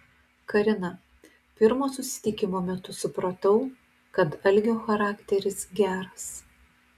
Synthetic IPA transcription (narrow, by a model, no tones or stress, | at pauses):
kɐɾʲɪnɐ | pʲɪɾmoːsʊsʲɪ̥t̪ʲɪkʲɪmoːmʲɛt̪ʊsʊpɾot̪ɐʊ | kɐt̪ɐlʲɡʲoːxɐɾɑːkt̪ʲɛɾʲɪsɡʲæːɾɐs